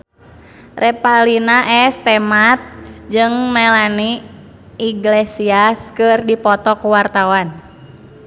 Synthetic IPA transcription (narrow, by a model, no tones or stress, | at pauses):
rɛpalinaʔɛst̪ɛmat̪̚d͡ʒɨŋmɛlani | iɡlesiaskɨrdipɔt̪ɔkuwart̪awan